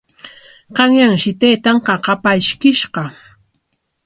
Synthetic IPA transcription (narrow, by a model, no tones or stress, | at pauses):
qɑŋjaŋʃɪt̪ejt̪ɑɴqɑqɑpaʃkɪʃɢɑ